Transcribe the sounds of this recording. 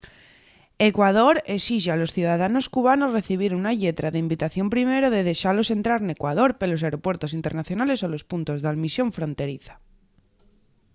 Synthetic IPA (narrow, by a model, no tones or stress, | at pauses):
e̞kwað̞o̞ɾe̞siʝealo̞sθjuðaðano̞skuβ̞ano̞zre̞θiβ̞iɾunaʎe̞t̪ɾaðeimbit̪aθjo̞mpɾime̞ɾoðe̞ð̞e̞ʃaɾlo̞se̞nt̪ɾaɾne̞kwað̞o̞ɾpelo̞s̬aɾo̞pwe̞ɾt̪o̞sint̪eɾnaθjo̞nalesolo̞spunt̪o̞zðaðmisjo̞ɱfɾo̞nt̪e̞ɾiθḁ